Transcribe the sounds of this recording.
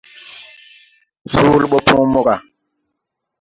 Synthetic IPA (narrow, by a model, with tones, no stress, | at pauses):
fuː˦lɓɔ˦pʰũː˦mɔ˦ɡa˨